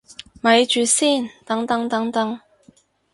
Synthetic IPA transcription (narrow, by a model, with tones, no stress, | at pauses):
mɐ˨˧jt͡ʃyː˨˧siː˥˩nt̪ɐ˨˥ŋt̪ɐ˧˥ŋt̪ɐ˨˥ŋt̪ɐ˨˥ŋ